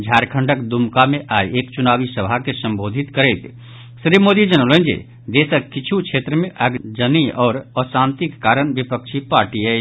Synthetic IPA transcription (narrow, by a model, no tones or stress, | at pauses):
d͡ʒʱaːɾkʰəɳɖəkd̪umkamẽʔaːjeːkt͡ʃunaːʋisəbʱakesə̃mboːd̪ʱit̪kəɾɛt̪ | sɾibmoːd̪id͡ʒənələ̃nd͡ʒḛ | d̪esəkit͡ʃʰukʰeːt̪ɾəmẽʔəɡd͡ʒəniɔːɾɔsant̪ikːaːɾənʋipəkʃʰipaɾʈiɛ